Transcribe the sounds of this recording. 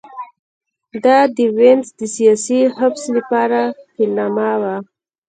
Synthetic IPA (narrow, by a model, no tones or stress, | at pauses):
d̪ɑd̪əwenzd̪əsijɑsiɦafsləpɑɾahilnɑmawa